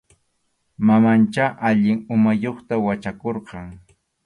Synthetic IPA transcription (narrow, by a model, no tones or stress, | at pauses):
mamant͡ʃaʔaʎɪŋʊmajoχt̪awat͡ʃakoɾqɑŋ